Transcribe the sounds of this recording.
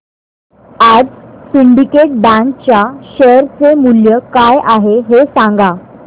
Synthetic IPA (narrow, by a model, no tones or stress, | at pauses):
ad͡zsiɳɖikeʈ̚bæ̃ŋk̚t͡ɕjaɕəɾt͡semuljəkajʔaɦeɦesãŋɡa